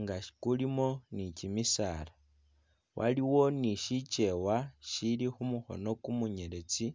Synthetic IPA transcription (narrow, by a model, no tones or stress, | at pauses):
ŋɡaʃi̥kulimo̞nicimisaːla | wʔa̰liwo̞niʃit͡ʃe̞waʃilixumuxo̞̰no̞kumuɲe̞le̞t͡si